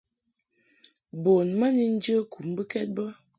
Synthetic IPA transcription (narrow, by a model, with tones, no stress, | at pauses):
bo˨nma˦ni˦n̩˦d͡ʒə˦ku˨mbə˦kɛ˦t̚bə˦